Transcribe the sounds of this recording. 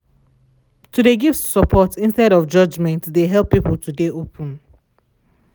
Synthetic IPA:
tʰudeɡiftsəpʰɔtĩnstɛɾɔfd͡ʒʌd͡ʒmɛ̃ntdeɦɛlˠpːipəltʰudeopʰə̃n

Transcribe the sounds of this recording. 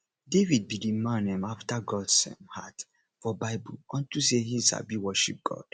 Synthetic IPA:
devid̚bidimãnɛ̃maftaɡɔdsɛ̰̃mhat | fɔbaɪbulɔ̃ntusehisa̰biwɔʃḭp̚ɡ̥ɔ̰d̥

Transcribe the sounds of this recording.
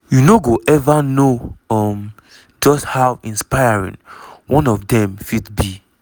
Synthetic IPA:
junoɡoʔɛvanoʌm | d͡ʒɔsthawĩnspaɪaɹḭ̃ŋwɔ̃nɔfdɛ̃mfidbi

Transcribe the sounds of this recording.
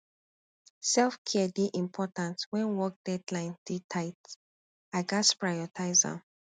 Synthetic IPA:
sɛlfkʰɛdeʔĩmpʰɔtãntwɛ̃nwɔk̚d̥ɛdlãɪ̃nd̥itʰaɪt | aɡaspɹajɔtʰaɪzã̰

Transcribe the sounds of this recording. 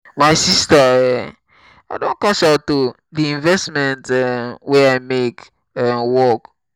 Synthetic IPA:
maɪsistaɛ | aɪdõnkat͡ʃaʊtːu | diĩnvɛstmɛ̃ntɛwɛaɪmek | ɛmwɔk

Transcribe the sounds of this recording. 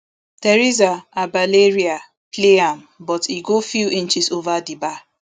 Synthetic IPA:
teɾizaabaleɹia | kleam | bɔtiɡofjuʔĩnt͡ʃizovadiba

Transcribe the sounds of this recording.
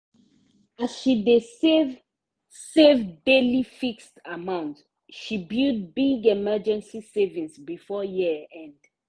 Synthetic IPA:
azʃidev | sevdelifikstamãʊ̃nts | ʃibud̚biɡɛmɛd͡ʒɛ̃nsisevĩnsbifɔjiɛ̃nd̥

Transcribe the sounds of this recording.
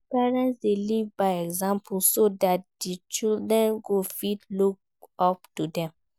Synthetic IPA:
pɛɹɛ̃ntsdelivbaɪɛɡzãmpʰulsodat̚dit͡ʃildɹɛ̃nɡofitluk̚ | ɔp̚tudɛ̃m

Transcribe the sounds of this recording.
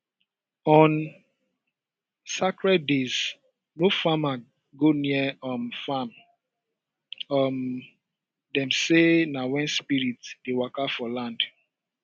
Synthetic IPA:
ɔ̃n | sakɹɛd̚dez̥ | nofama | ɡoniəɔmfam | ɔm | dɛ̃msenawɛ̃nspiɹitsd̥ewakafɔlãnd̥

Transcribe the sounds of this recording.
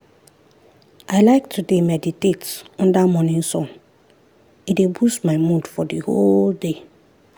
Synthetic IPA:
aɪlaɪk̚tʰudemɛditetɔ̃ndamɔnĩnsɔ̃n | idebusmaɪmudfɔdiholde

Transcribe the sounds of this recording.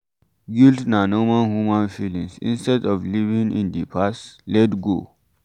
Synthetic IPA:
ɡildnanɔmãnhumãnfilĩŋsḭ̃nstɛdɔvlivĩŋḭ̃ndipʰastlɛtɡo̰

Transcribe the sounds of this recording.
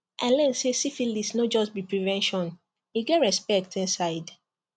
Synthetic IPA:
ʔãnlɛ̃nsesifilisnod͡ʒɔst̚bipɹivɛ̃nʃɔ̃n | iɡɛtɹɛspɛk̚tĩnsaɪd

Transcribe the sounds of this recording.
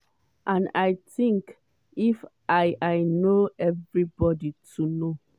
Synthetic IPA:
ʔãnaɪtĩŋk | if | aɪʔaɪnoɛvɹibɔditʰuno

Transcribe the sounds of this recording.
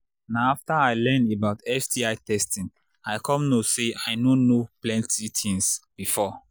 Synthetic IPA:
naʊaftaaɪlɛ̃ndebaʊtɛfdiaɪtɛstĩn | aɪkʰɔ̃mnoseaɪnonoplɛ̃ntʰitʰĩnsb̥ifɔ

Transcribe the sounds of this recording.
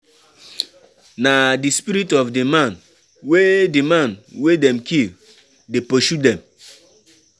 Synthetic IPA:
nadispiɾitɔfdimãn | wedimãnwedɛmkil | depoʃudɛ̃m

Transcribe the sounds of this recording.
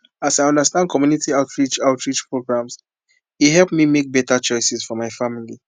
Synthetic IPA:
asaɪɔ̃ndəstãndkɔmjunitiaʊtʰɹit͡ʃaʊtʰɹit͡ʃpʰɹoɡɹãms | ihɛlˠpmimek̚bɛtat͡ʃɔɪsɛsfɔmaɪfamili

